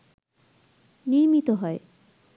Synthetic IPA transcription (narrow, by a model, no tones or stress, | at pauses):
niɾmit̪oɦɔe